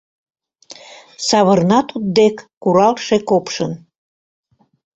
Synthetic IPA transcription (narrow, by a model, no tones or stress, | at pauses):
sɑβərnɑt̪ut̪̚d̪ekːuɾɑlʃekopʃən